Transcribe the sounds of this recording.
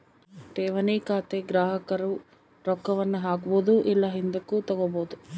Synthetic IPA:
ʈeːʋɐniːkaːt̪eɡɾaːɦɐkɐɾu | ɾɔkːɐʋɐnːɐɦaːkuboːd̪uʔilːɐɦind̪ukːut̪ɐɡoboːd̪u

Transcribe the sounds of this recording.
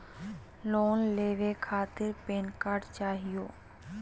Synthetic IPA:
loːnleːʋekʰaːt̪ɪɾpeːnkaɾɖt͡ʃaːɦijoː

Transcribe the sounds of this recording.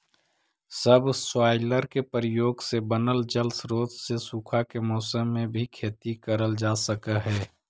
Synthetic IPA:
səbswaːɪləɾkepɾəjoːɡsebənəld͡ʒəlsɾoːd͡ʒ̪sesuːkʰakemɔːsəmːẽbʱikʰeːt̪ikəɾəld͡ʒaːsəkəɦɛː

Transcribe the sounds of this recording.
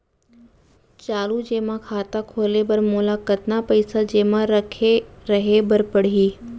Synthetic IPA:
t͡ʃaːlud͡ʒeːmãkʰaːt̪akʰoːlebɐɾmoːlakɐt̪napɐɪsad͡ʑeːmãɾɐkʰeɾɐɦebɐɾpəɽiː

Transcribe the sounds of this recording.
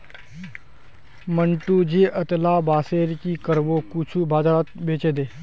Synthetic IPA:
məɳʈud͡ʒeːʔət̪laːbaːseːɾkikəɾbokut͡ʃʰubʱaːd͡ʒaːɾat̪̚beːt͡ʃed̪eː

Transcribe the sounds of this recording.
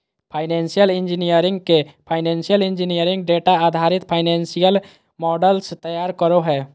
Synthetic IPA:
pʰaːɪnensijəlɪnd͡ʒinijəɾɪ̃ŋɡ̚kepʰaːɪnẽnsijəlɪnd͡ʒinijəɾɪ̃ŋɡ̚ɖeʈaad̪ʱaɾɪt̪pʰaɪnɛnsijəl | mɔːɖəlst̪əjaːɾkəɾoɦɛː

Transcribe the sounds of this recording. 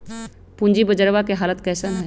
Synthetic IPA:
pũɲd͡ʒibəd͡ʒəɾʋakeɦaːlət̪kɛːsənɦɛː

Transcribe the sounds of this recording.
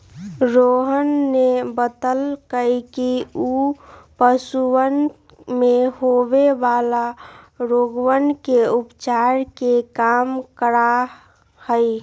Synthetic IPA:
ɾoɦənːebət̪əlkəikiupəsuwən | mehoʋeʋala | ɾoɡwənkeupt͡ʃaɾkekamkəɾa | həj

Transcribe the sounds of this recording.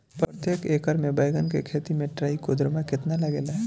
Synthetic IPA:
pəɾət̪jeːkeːkəɾmẽbɐjɡənkḛkʰeːt̪imẽʈɾaːikod̪ɾəmãkɪt̪nalɐɡeːlaɦɛ

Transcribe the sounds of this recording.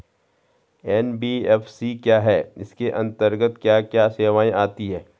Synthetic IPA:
ɛːnbiːɛːfʰsikjaːɦɛːɪskeʔɐ̃nt̪əɾɡət̪kjaːkjaːseːʋaːĩʔaːt̪iɦɛː

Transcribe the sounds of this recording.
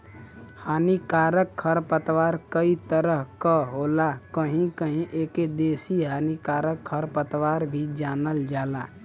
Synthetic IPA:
haːnikaːɾəkʰːəɾpət̪waːɾkəit̪əɾəɦkəɦoːlakəɦĩkəɦĩʔeːked̪eːsiɦaːnikaːɾəkʰːəɾpət̪waːɾbʱid͡ʒaːnəld͡ʒaːlaː

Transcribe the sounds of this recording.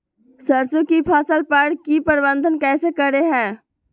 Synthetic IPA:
səɾsõkipʰaːsəlpəɽkipəɾbə̃nd̪ʱənkɛːsekəɾeɦɛ̃ː

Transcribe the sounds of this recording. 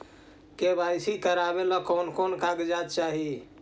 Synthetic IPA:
kebʱasikəɾabeləkonkonkaɡd͡ʒat̪̚t͡ʃaɦi

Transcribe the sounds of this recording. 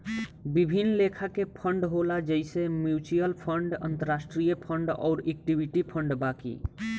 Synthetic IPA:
bibʱinːlekʰakepʰəɳɖɦolad͡ʒəɪsemjut͡ʃujəlpʰəɳɖə̰̃nt̪əɾasʈɾijəpʰəɳɖɔ̰ːɾek̚ʈibʱiʈipʰəɳɖbakḭ

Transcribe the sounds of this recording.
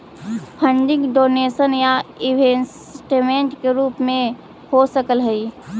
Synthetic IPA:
pʰə̃ɳɖɪ̃ŋɡɖoːneːsənjaɪbens | ʈemẽɳʈkeɾuːpmẽ | hosəkəlɦəi

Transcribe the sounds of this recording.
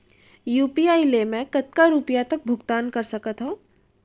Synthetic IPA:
juːpiaːilemɛ̃kɐt̪̚kaɾupijat̪ɐk̚bʱʊɡt̪aːnkɐɾsɐkət̪ɦõ

